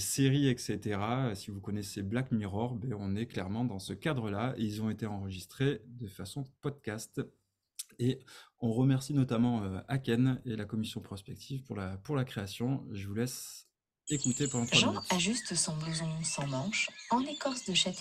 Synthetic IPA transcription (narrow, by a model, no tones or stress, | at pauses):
seʁiɛkset̪eʁasivukɔnɛseblakmiʁɔʁbɛɔ̃nɛklɛʁmɑ̃d̪ɑ̃səkad̪ʁəlaeilzɔ̃et̪eɑ̃ʁəʒist̪χed̪əfasɔ̃pɔd̪̚kʲast̪ | eɔ̃ʁəmɛʁsinɔt̪amɑ̃øakʲɛnelakɔmisjɔ̃pχɔspɛk̚t̪ʰivpuʁlapuʁlakχeasjɔ̃ʒəvulɛs | ekut̪epuʁlɔ̃t̪ʰʒɑ̃aʒyst̪sɔ̃bəzɔ̃sɑ̃mɑ̃ʃɑ̃lekɔʁsd̪əʃat̪ʰ